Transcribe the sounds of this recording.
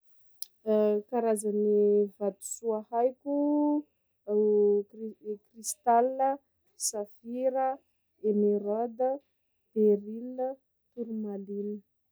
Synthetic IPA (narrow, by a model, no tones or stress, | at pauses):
kaɾazanivad̪u̥suahajkʲu | krist̪alə | safiɾə | emiɾad̪ə | b̥eɾilə | t̪uɾumalinə